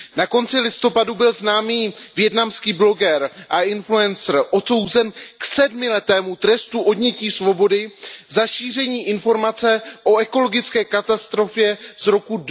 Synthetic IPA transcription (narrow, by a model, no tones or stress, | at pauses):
nako̞nt͡sɪlɪst̪o̞padubɪlznaːmiːvjɛtnamskiːblo̞ɡɛɾʔaʔɪnfluɛnsr̩ʔo̞t̪so̞wzɛnksɛdmɪlɛt̪ɛːmut̪ɾɛst̪uʔo̞dɲɛciːsvo̞bo̞dɪzaʃiːr̝ɛɲiːʔɪnfo̞ɾmat͡sɛʔo̞ɛko̞lo̞ɡɪt͡skɛːkat̪ast̪ɾo̞fjɛzɾo̞ku